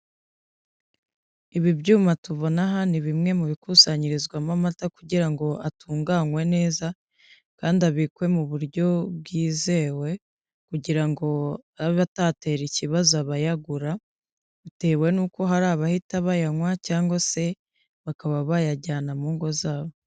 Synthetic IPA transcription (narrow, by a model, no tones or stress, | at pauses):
iβibɟuːmatuβo̞naɦaniβimŋe̞muβikusaɲiɾizɡwamamatakuɟiɾaŋɡo̞ʔatuːŋɡaŋwe̞ne̞ːza | kaːndiaβikwe̞muβuɾɟo̞b̚ɡiːze̞we̞ | kuɟiɾaŋɡo̞aβiβatate̞ːɾiciβazoaβajaɡuɾa | βite̞ːwe̞nuːko̞ɦaɾaːβahitaβajaŋwacaːŋɡwase̞ | βakaβaβajaɟaːnamuːŋɡo̞zaːβo